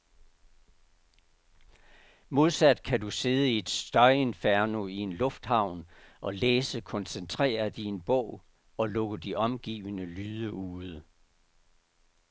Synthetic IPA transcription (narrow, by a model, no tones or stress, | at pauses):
mo̝ð̞ˠsæd̥kʰæd̥use̝ð̞ˠəie̝d̥sd̥ɒɪe̝nfæɐno̝ie̝nlɔ̽fd̥hɑ̈ʊ̰nʔɒ̽leːsəkʰɒ̽nsent͡sʰʁɛ̰ːɐd̥ienb̥ɔ̰ʊ̰ | ɒ̽lɔ̽ɡ̥əd̥iʔɒ̽mɡ̥ḭːʋənəlyːðˠəʔuːðˠə